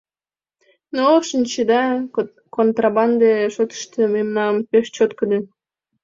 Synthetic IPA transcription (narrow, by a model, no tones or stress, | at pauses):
noʃənʲt͡ɕəd̪ɑ | kont̪rɑbɑnd̪eʃot̪ə̥ʃt̪əmemnɑmpeʃt͡ɕot̪kəd̪e